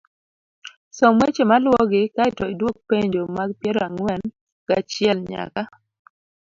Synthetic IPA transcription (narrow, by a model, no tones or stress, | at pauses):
sɔmwet͡ʃemalwɔɡɪkaɪtɔɪdwok̚peɲd͡ʒomaɡpjɛɾɔaŋwɛn | kat͡ʃɪɛlɲa̰ka